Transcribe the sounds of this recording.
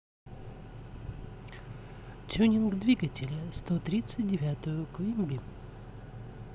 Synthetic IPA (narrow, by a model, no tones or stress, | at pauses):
t̪ʲunʲɪnɡd̪vʲiɡətʲɪlʲəst̪ot̪ɾʲit̪sɨt̚ʲdʲɪvʲat̪ʊjʊkvʲimʲbʲi